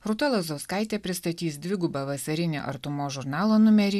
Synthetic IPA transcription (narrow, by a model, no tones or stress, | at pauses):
ɾʊt̪olˠɐzɐʊskɐɪt̪ʲeːpʲɾʲɪst̪ɐt̪ʲiːsd̪ʲʋʲɪɡʊbɐʋɐsɐɾʲɪnʲḛːʔɐ̰ɾt̪ʊmoːʒʊɾnɑːlˠoːnʊmʲɛɾʲiː